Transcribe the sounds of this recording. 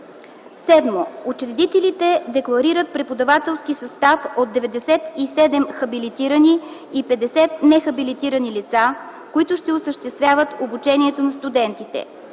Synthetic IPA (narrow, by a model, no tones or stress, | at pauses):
sɛd̪moot͡ʃɾɛd̪it̪ɛlit̪ɛd̪ɛklˠɐɾiɾət̪̚pɾɛpod̪ɐvat̪ɛlˠskisɐst̪afod̪ːɛvɛd̪ɛsɛt̪isɛd̪ɛmxɐbilit̪iɾəniipɛd̪ɛsɛt̪̚nɛxɐbilit̪iɾənilit̪sa | koit̪ʊʃt̪ɛosəʃt̪ɛst̪vʲjavət̪obut͡ʃɛniɛt̪onɐst̪ud̪ɛnt̪it̪ɛ̰